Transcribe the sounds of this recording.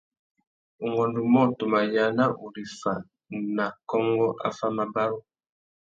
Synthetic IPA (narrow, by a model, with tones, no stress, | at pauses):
o˨ŋɡɔ˨ndu˨mɔ˦to˨ma˨ja˨na˦ʔo˨li˨fa̰˨ | na˨kɔ˦ŋɡɔ˦ʔa̰˦fa˦ma˨ba˦ɾo˦